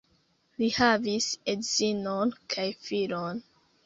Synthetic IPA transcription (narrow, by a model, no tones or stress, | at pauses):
lihavisedz̥inonkʰajfilon